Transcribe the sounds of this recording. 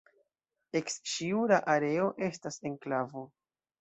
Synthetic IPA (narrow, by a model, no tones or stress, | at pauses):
e̞kst͡ʃiulaʔaɾe̞o̞ʔe̞stase̞nklavo